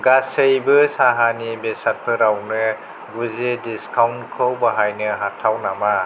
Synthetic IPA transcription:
ɡasɯjbɯsaɦanibesat̚pʰɯɾawnɯ | ɡuzediskʰawnkʰɯwbaɦajnɯɦatʰːawnama

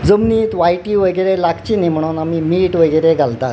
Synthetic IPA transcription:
d͡zəmniːt̪ʋajʈiʋəɡəɾelakʰt͡ɕiːnim̤əɽ̃uːnamiːmiʈʋəɡəɾeɡʱalt̪at̪

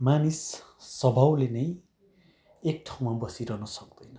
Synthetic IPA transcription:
manisː | ʌbʱawlenʌj | ek̚ʈʰaw̃mabʌsiɾʌnʌsʌk̚d̪̥ʌjnʌ

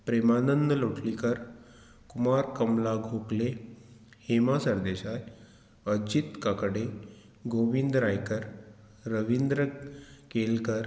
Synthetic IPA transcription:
pɾemanənd̪əloʈlikəɾ | kumaɾkəmlaɡʱokle | hemasəɾd̪eɕaj | əd͡ʑit̪kakəɽe | ɡoʋind̪ɾajkəɾː | əʋind̪ɾəkelkəɾ

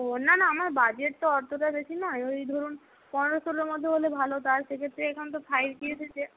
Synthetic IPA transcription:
onanaamaɾbad͡ʑeʈ̚t̪oɔɾt̪ʰoʈad̪et͡ɕʰinɔeoejd̪ʱoɾun | pɔneɾosoleɾmod̪ʱːeɦolebʱalot̪aɾʃekʰet̪ːɾeɛkʰont̪̬opʰajɾkietʰet͡ɕʰe

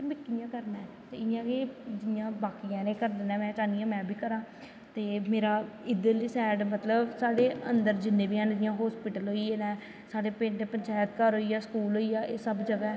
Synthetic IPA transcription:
mɪkːijãːkəɾnãːɛ | t̪eːɪjãːked͡ʒɪjãːbaːkijãːnẽːkəɾd̪ɪnɛ̃ːmɛ̃ːʈaːnɪjãːmɛ̃ːbʱiːkəɾãː | t̪eːmeːɾaːɪd̪əliːsɛːɖmət̪ləbsaːɖeːənd̪əɾd͡ʒɪnːẽːbiːãnɾɪjãːɦɔːspɪʈəlɦoːiːeːnɛ̃ː | saːɖeːpɪ̃ːɳʈepəɲt͡ʃaːjət̪kaːɾɦoːiːjaːsə̥kuːlɦoːijaːʔeːsəbd͡ʒəɡaːɛː

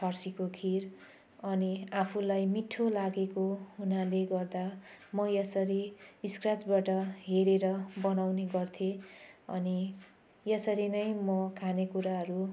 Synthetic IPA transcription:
pʰʌrsikokʰir | ʌniapʰulajmiʈʰːolaɡekoɦunaleɡʌrd̪amʌjʌsʌɾiiskrat͡sbaʈʌɦeɾeɾʌbʌnawneɡʌrt̪ʰeʌ̰ni | jesʌɾinʌjmʌkʰanekuɾaɦʌɾu

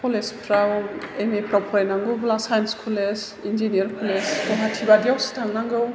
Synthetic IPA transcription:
pʰɔlespʰɾawemepʰɾapʰɔɾajnaŋɡɯwblasajanskʰules | ind͡ʒinijaɾkʰɔlesɡɔɦatʰibadijawsi̥tʰaŋnaŋɡɯw

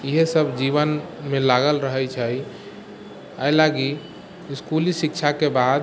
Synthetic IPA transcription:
iɦesəbʱd͡ʒiβənmelaɡəlɾəɦəjt͡ʃʰəj | ajlaɡi | iskulisikt͡ʃʰakebad̪

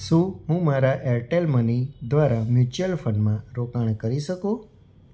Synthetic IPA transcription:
ʃũɦũmaɾaʔeɾʈelmənid̪ʋaɾamjut͡ʃəlfʰənmãɾokaɳ̃kəɾiʃəkũ

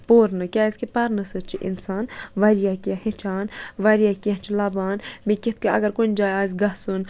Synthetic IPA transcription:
poːɾnɨkʲaːiskepɐɾnɨsɨt͡ʃʰiʔḭnsaːnʋɐɾijakiahĩt͡ʃʰaːnʋɐɾijakiãt͡ʃʰilɐbaːnmĩkʲit̪̚ʰkaɐ̰ɡɐɾkunʲd͡ʒaːjaːzɡɐsun

